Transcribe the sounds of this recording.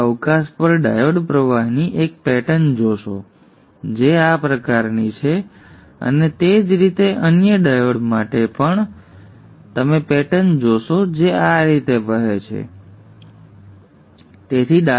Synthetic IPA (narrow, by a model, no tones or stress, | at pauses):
əʋkaspəɾɖajoɽpɾəʋaɦniʔek̚pɛʈənd͡ʒoʃo̰ | d͡ʒeapɾəkaɾnit͡ʃʰe | ə̰net̪ed͡ʒɾit̪eʔənjəɖajoɽmaʈepəɳ | t̪əmepɛʈənd͡ʒoʃod͡ʒeaɾit̪ebəɦet͡ʃʰḛ | t̪et̪ʰida